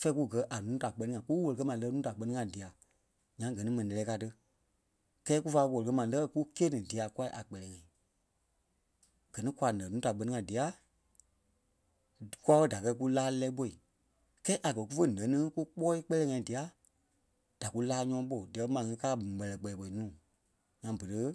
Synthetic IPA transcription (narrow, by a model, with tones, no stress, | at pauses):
fɛ˧˦ku˦ɡɜ˨˧˦ʔa˨nũː˦ta˨k͡pɜ˧˦nĩ˦ŋã˨˦ku˦wo˨lkə˧˦mã˨˦lɜ˧˦nũː˦ta˨k͡pɜ˧nĩ˦ŋã˧˨di˨a˨ | ɲã˨˦ɡɜ˨nĩ˦mɛ̃˨ĩ˨lɛ˧lɛː˨˦ka˧tɨ˧ | kɛː˦ku˦faː˧˦˧wo˨lɨ˨kə˧˦mã˨lɜ˦˧ku˦keː˦nĩ˨di˨a˨kwa˦ʔa˨k͡pɛ˧lɛː˨ŋã˨ĩ˨ | ɡ̥ɜ˨nĩ˦kʷa˧˨nə̃˨nũ˦ta˨k͡pɜ˧nĩ˦ŋã˨di˨a˨˦˨ | ku˦a˧ɓə˦˨da˨kɜ˧k̬u˦laː˦lɛː˧˦ɓo˧i˨ | kɛː˦ʔa˨kɜ˨ku˦fə˦˨nə̃˨˦nĩ˦ku˦k͡pɔː˦i˦k͡pɛ˦lɛː˧˦ŋã˧˨ĩ˨di˨a˨˦ | d̥a˨ku˦laː˦ɲɔ̃ː˧˦ɓo˨di˨ɛ˨˧˦mã˨ŋĩ˧˦kaː˦˨mɛ˨lɛ˨k͡pɛ˨ɛ˨ɓo˨i˨nũː˦˨ | ɲã˨˧bə˨ɾə˨˧